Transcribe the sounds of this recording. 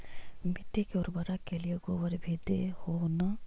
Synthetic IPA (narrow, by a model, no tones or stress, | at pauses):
miʈːekeɔːɾbɐɾakelijeɡoːʋəɾbʱed̪ehona